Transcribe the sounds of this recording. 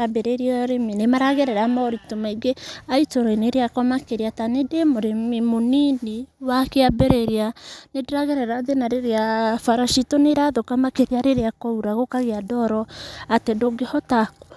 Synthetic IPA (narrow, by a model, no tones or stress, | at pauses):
abeɾeɾiɾeminemaɾaɣeɾɛɾamaɾitomaiɡeaitoɾɔineɾeakɔmakeɾiatanedemoɾemimoniniwakeabeɾeɾianedeɾaɣeɾɛɾaðenaɾeɾeafaɾaʃitoneɾaðokamakeɾiaɾeɾeakɔuɾaɣokaɣeadɔɾɔatedoɡehɔtako̥